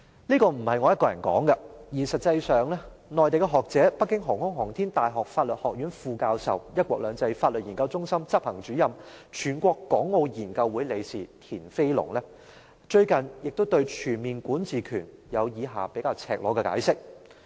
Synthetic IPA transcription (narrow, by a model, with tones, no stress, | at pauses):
liː˥kɔː˧m̩˨˩hɐ˨jŋɔː˨˦jɐ˥t̚kɔː˧jɐ˨˩nkɔ̰ː˨˥ŋɡɐ˧jiː˨˩sɐ˨t̚t͡sːɐ˧jsœː˨ŋlɛː˥nɔː˨jt̪e˨jkɛ˧ɦɔː˨k̚t͡sɛː˨˥pɐ˥kːɪ˥ŋɦɔ˨˩ŋhʊ˥ŋɦɔː˨˩ŋt̪ʰiː˥ŋt̪aː˨˩jɦɔː˨k̚faː˧t̚lɵ˨t̚hɔː˨k̚jyː˨˥nfuː˧kaː˧wsɐ̰˨wjɐ˥t̚kʷɔː˧k̚lœː˨˧ŋt͡sɐ˧jfaː˧t̚lə˨t̚jiː˨˩ŋkɐ˧wt͡sʊ˥ŋsɐ˥mt͡sɐ˥p̚hɐ˨˩ŋt͡ʃyː˨˥jɐ˨mt͡ʃʰyː˨˩nkʷɔː˧kːɔː˨˥ŋːo˨˧wjiː˨˩nkɐ˧wːuː˨˥jle˨˧jsiː˨˩t̪ʰiː˨˩nfe˥jlʊ̰˨˩ŋlɛ˥ | t͡ʃɵ˧ɥkɐ˨njɪ˨k̚t̪o˥wt̪ɵ˧ɥt͡ʃʰyː˨˩nmiː˨nkuː˨˥nt͡siː˨˩kʰyː˨˩njɐ˨˧wjiː˨˧ɦaː˨˩pe˨˥jkaː˧wt͡sʰɛ̰ː˨k̚lɔː˨˥kɛ˧ka̰ː˨˥jsɪ˥k̚